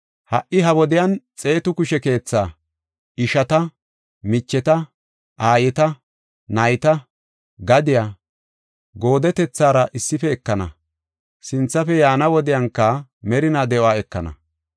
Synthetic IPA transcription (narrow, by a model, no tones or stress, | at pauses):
hɐʔːɪɦɐwɔd̪ɪjant͡sʼe̞ːt̪ʊkʊʃɛke̞ːt͡sːaː | ʔɪʃɐt̪ɐ | mɪt͡ʃːɛt̪ɐ | ʔaːjɛt̪ɐ | nɐjt̪ɐ | ɡɐd̪ɪjaː | ɡo̞ːd̪ɛt̪ɛt͡sːaːɾɐʔɪsːɪfɛːkːɐnɐ̰ | sɪnt͡sːɐfɛjaːnɐwɔd̪ɪjɐŋkːɐmɛɾɪnad̪ɛʔoaːɛkːɐnɐ̰